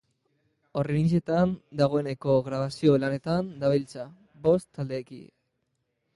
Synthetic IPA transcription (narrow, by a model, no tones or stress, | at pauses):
o̞renise̞t̪and̪aɣ̞o̞e̞ne̞ko̞ɣɾaβasio̞lane̞t̪and̪aβilt͡sa | bo̞st̪ːald̪e̞ːkḭ